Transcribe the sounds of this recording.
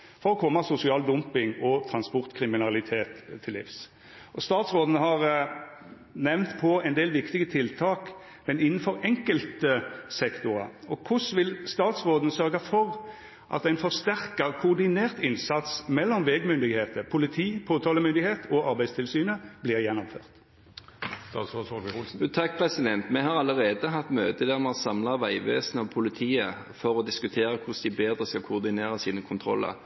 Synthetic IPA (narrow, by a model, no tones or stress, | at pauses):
fɔɾɔkʰɔmːɑsʊsɪɑːld̪ʊmpɪŋɔt̪ʰɾɑnspɔʁt̪kʰʁɪmɪnɑlɪt̪ʰeːt̪ʰːɪlːɪ̰ːfs | ʔɔst̪ɑːt̪sʁoːd̪n̩əɦɑʁ | nɛʋnt̪pʰɔɛɪnd̪eːlʋɪkt̪ɪɡət̪ʰɪlt̪ʰɑːk | mɛnɪnːn̩fɔɾɛŋkəlt̪əsɛkt̪ʊɾɑ̰ɔkʰʊsʋɪlst̪ɑːt̪sʁoːd̪n̩sœɾɡɑfɔʁ | ʔɑ̰t̪æɪnfɔʁst̪æʁkɑkʰʊːʁd̪ɪneːʁt̪ɪnsɑt̪smɛlːɔmʋeɡmʏnd̪ɪɡheːt̪əpʰʊlɪt̪ʰiːpʰoːt̪ʰɑːləmʏnd̪ɪɡheːt̪ɔɑɾbæɪst̪ʰɪlsyːnəb̥liːʁjɛnːɔmføːʁt̪ | st̪ɑ̰t̪soːsoːʋɪʊlsn̩t̪ʰɑk̚ːpʰʁɛsɪd̪ɛnt̪mɛhɑʁɑləʁeːd̪əɦɑt̪møːt̪əd̪æːʁmɛɔsɑmlɑʋæɪʋḛːsənəɔpʰʊlɪt̪ʰiːə | fɔʁɔd̪ɪskʉt̪ʰeːʁəkʰʊsd̪ɪbeːd̪ʁəskɑlkʰʊʁd̪ɪneːʁəsiːnəkʰʊnt̪ʰʁɔlːə̰ʁ